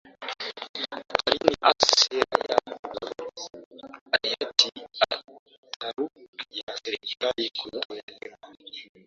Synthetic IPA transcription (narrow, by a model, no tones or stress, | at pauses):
kaɾiniʔassɛɾa̰ja̰ | ajatʰia | taɾukjasɛɾikalikʰuɛɾa